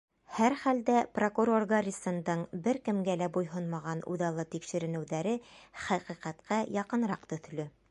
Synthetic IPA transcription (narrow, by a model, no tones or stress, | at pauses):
hæɾχæld̪æprokuɾo̞rɡarʲisɤ̆nd̪ɤɴbɘɾkɘ̆mɡælæbujɦonmɑʁɑnʔṵðɑlˠɤt̪ikʃɘ̆ɾɘ̆nɘ̆wðæɾɘχæqiqæt̪qæjɑqɤ̆nɾɑqt̪ɵ̆θlɵ